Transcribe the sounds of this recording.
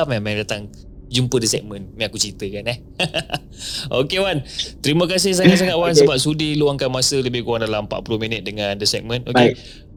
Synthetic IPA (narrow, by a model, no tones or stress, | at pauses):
p̚mɛmɛŋdat̪aŋ | d͡ʒumpədəsɛk̚mə̃nmãakut͡ʃɾit̪əkanɛh | okewant̪əɾiməkas̬ɪhs̬aŋat̪̚s̬aŋat̪̚wansəbap̚sudiluaŋkanmasələbɪhkuaŋdalam̩pa̰ʔpulominət̪̚dəŋãndəsɛk̚mə̃noe